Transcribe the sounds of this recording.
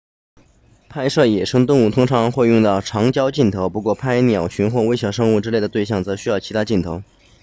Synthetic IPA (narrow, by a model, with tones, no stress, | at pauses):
pʰa˥˧ɪʂɤ˥˩jɛ˨˩ʂɤ˥ŋt̪ʊ˥˧ŋu˥˩t̪ʰʊ˥ŋʈ͡ʂʰɑ˧˥ŋxwe˥˧ɪjʊ˥˧ŋt̪ɑ˥˩ʊʈ͡ʂʰɑ˧˥ŋt͡ɕjɑ˥ʊt͡ɕi˥˩nt̪ʰo˧˥ʊpu˧˥kwɔ˥˩pʰa˥ɪnjɑ˨˩ʊɕy˧˥nxwɔ˥˩we˥ɪɕjɑ˥˩ʊʂɤ˥ŋu˥˩ʈ͡ʂɻ̩˥le˥˩ɪdə˩t̪we˥˧ɪɕ̬jɑ˥˩ŋt͡sɤ˧˥ɕy˥jɑ˥˩ʊt͡ɕʰi˧˥t̪ʰa˥t͡ɕi˥˩nt̪ʰo˧˥ʊ